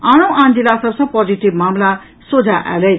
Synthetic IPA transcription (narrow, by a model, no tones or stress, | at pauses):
ãnowʔãnd͡zilasʌbsʰʌ̃pɔd͡ziʈibmamla | sod͡zʱaʔa̰lej